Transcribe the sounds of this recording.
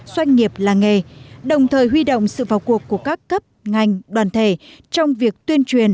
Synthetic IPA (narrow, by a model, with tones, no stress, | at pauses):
zwa˧jŋ̟ŋːi˨˩əp̚laː˨˩ŋe˨˩ɗə˨˩wŋ͡mt̪ʰəː˨˩jɦwi˧ɗo̰˧˨wŋ͡msɨ̰˧˨vaː˨˩wku˨˩əkːu˧˩əkaː˦˥kːə˦˥p̚ŋa˨˩jŋ̟ɗwaː˨˩nt̪ʰe˧˩t͡ɕɔ˧wŋ͡mvi˨˩ək̚t̪wi˧ənt͡ɕwi˨˩ən